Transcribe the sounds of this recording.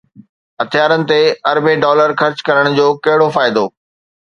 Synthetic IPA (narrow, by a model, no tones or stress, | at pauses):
ɦɐt̪ʰijaːɾənɪ̆t̪eɐɾbeɖɔːləɾxɐɾt͡ɕkɐɾəɽ̃̆d͡ʑoːkɐɦɪɽofaːɪd̪oː